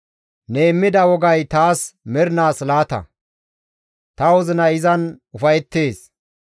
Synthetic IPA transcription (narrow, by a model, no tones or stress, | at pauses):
neːmːɪd̪ɐwɔɡɐjt̪aːsmɛɾɪnaːslaːt̪ɐ̰ | t̪ɐwɔzɪnɐɪzɐnʊfɐjt̪ːe̞ːs